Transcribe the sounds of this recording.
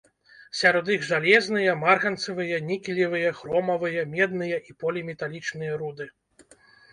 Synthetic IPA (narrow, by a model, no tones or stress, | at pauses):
sʲaɾɔd̪iɣʐalʲɛznɨjɐmarɣɐnt̪sɐvɨjɐnʲikʲilʲivɨjɐxɾɔmɐvɨjɐmʲɛd̪̚nɨjɐʔipɔlʲimʲɛt̪alʲit͡ʂnɨjɐɾud̪ɨ